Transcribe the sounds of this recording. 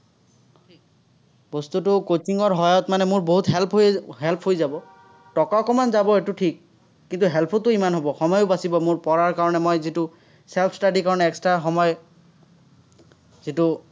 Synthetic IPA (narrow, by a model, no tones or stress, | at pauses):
i | bost̪utʊkot͡ʃiŋɔɹɦɔjɔtmanɛmʊɹboɦut̪ɦɛlpʰɦojɛɦɛlpʰɦojzabɔ | tɔkaɔkɔmanzabɔetʊʈʰikː | int̪uɦɛlpʰɔtːʊimanɦobɔxɔmɔjʊbasibɔmʊɹpɔɹaɹkaɹɔnɛmɔjzitʊ | sɛlpʰstaɖikaɹɔnɛːkstɹaxɔmɔj | zitʊ